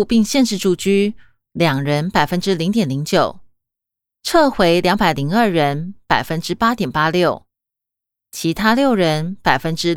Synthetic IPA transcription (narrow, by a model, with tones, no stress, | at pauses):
pi˥˧ŋɕjɛ˥˧nʂɻ̩˥˧ʈ͡ʂu˥˧t͡ɕy˥ | ljɑ˨˩ŋɻə˧˥npa˨˩ɪfə˥nʈ͡ʂɻ̩˥li˧˥ŋt̪jɛ˨˩nli˧˥ŋt͡ɕjo˨˩ʊ | ʈ͡ʂʰɤ˥˩xwe˧˥ɪljɑ˧˥ŋpa˨˩ɪli˧˥ŋə˞˥˩ɻə˧˦˥npa˨˩ɪfə˦˥nʈ͡ʂɻ̩˥pa˥t̪jɛ˨˩npa˥ljo˥˩ʊ | t͡ɕʰi˧˥t̪ʰa˥ljo˥˩ʊɻə˧˦˥npa˨˩ɪfə˥nʈ͡ʂɻ̩˥